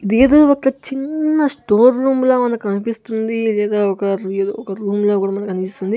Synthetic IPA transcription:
id̪eːd̪oːɔkːɐt͡ʃinːɐsʈo̞ːɾːuːmloːmɐnɐkkɐnipist̪und̪ilɛːd̪aːɔkɐeːd̪oːɔkɐɾuːmlo̞ːkuːɽaːmɐnɐkːɐnipist̪und̪i

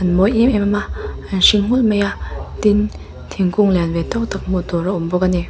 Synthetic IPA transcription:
anmojʔimɛmamaʔanʃiŋŋ̥ulmejat̪in | t̪ʰiŋkuŋlɛnvɛt̪ɔk̚t̪ak̚mut̪ɔɾaʔɔmbɔkani

